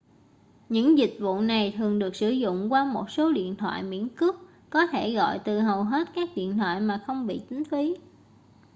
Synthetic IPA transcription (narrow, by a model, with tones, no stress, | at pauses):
ɲɨ̰˧˥ŋzï˨˩k̟̚vṵ˧˨na˨˩jt̪ʰɨ˨˩əŋɗɨ˨˩ək̚sɨ˧˩zʊ̰˧˨ŋ͡mkwaː˧mo˨˩t̚so˨˦ɗḭ˧˨ənt̪ʰwa̰ː˧˨jmḭ˧˥ənkɨ˦˥ək̚ːɔ˨˦t̪ʰe˧˩ɣɔ̰˧˨jt̪ɨ˨˩ɦə˨˩wɦe˦˥t̚kaː˦˥k̚ɗḭ˧˨ənt̪ʰwa̰ː˧˨jmaː˨˩xə˧wŋ͡mɓḭ˧˨t͡ɕ̪ï˨˦ŋ̟t̪ʰwi˨˦